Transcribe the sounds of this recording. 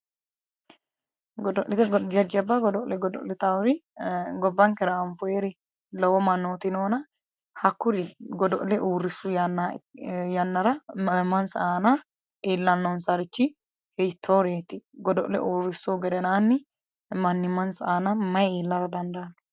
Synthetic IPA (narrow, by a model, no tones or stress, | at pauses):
ɡɔd̪ɔʔlɪt̪ɛd͡ʒɐd͡ʒɛbɐɡɔd̪ɔʔlɛɡɔd̪ɔ̰ʔlɪt̪awɾɪɡɔbːɐŋkɛɾɐːmfʊeɾɛ | lɔwɔmɐnːoːt̪ɪnoːnɐ | hɐkːʊd̪ɪɡɔd̪ɔʔlɛʔuːrːɪsːʊjɐnːajɐnːɐɾɐmɐnsaːna | eːlːɐnːɔnsɐɾɪt͡ʃːɪ | hɛjt̪ʰːoːɾeːt̪ɪɡɔd̪ɔʔlɛ̰ʔuːrːɪsːoɡɛd̪ɛnaːnːɪ | mɐnːɪmɐnsaːnɐmɐjeːlːɐɾɐd̪ɐnd̪ɐɐn